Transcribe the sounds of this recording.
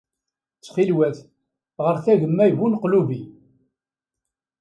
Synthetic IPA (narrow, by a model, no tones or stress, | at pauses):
t͡sːχilwæθ | ʁəɾθæʝəmːæjvunqluvi